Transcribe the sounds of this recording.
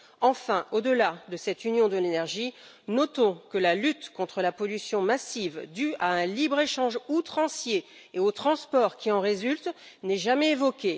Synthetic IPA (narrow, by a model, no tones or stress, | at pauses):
ɑ̃fɛ̃ʔod̪əlad̪əsɛt̪ynjɔ̃d̪əlenɛʁʒi | nɔt̪ɔ̃kəlalyt̪kɔ̃t̪χəlapɔlysjɔ̃masivd̪yaɛ̃libʁeʃɑ̃ʒut̪χɑ̃sje | eot̪χɑ̃spɔʁkʲiɑ̃ʁezylt̪ | nɛʒamɛevɔkʲe